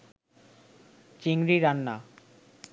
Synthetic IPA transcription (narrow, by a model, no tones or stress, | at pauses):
t͡ɕiŋɾiɾanːa